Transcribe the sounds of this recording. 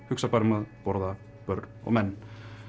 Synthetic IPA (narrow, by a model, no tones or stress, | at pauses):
hʏksapʰaɾɪmaðpɔɾða | pœɾnɔ̰ɣmɛnː